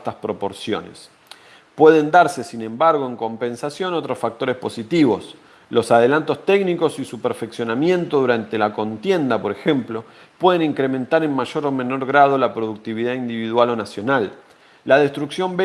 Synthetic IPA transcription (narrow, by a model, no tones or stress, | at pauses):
t̪aspɾo̞po̞ɾsjo̞̰nḛs | pwe̞ð̞e̞nd̪aɾse̞sinẽ̞mbaɾɣ̞o̞e̞ŋko̞mpẽ̞nsasjo̞not̪ɾosfak̚t̪o̞ɾespo̞sit̪iβo̞s | lo̞sað̞e̞lant̪o̞st̪eɡniko̞sisupeɾfeksjo̞namjẽ̞nt̪o̞ðuɾant̪e̞lako̞nt̪je̞nd̪apo̞ɾe̞xe̞mplo̞ | pwe̞ð̞e̞niŋkɾemẽ̞nt̪aɾe̞nmaʒo̞ɾo̞mẽ̞no̞ɾɣɾað̞o̞lapɾo̞ðuk̚t̪iβiðaind̪iβiðwalo̞nasjo̞nalː | að̞e̞st̪ɾuksjo̞mbe